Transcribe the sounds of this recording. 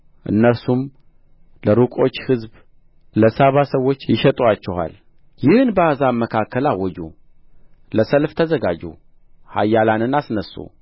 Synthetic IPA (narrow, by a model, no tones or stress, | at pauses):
ʔɨ̰nːəɾsum | ləɾukʼo̞t͡ʃːhɨzb | ləsaβasəwːo̞t͡ʃːjɪʃɛt̪ʼuat͡ʃːɛha̰l | jɪhɨnbəazaməkʰakːəlawːɔd͡ʒṵ | ləsəlft̪ʰəzəɡad͡ʒṵ | ha̰jːalanɨnasnəsːṵ